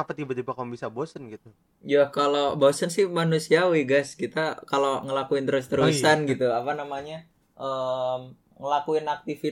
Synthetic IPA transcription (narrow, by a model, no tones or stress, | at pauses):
apat̪ibat̪ibakabisabosənɡit̪u | jakalobosənsɪhmanusiawiɡaskit̪akaloŋəlakuɪnt̪əɾʊs̬t̪əɾusanɡit̪uapanamaɲa | ʔəm | ŋəlakuɪnak̚t̪ifi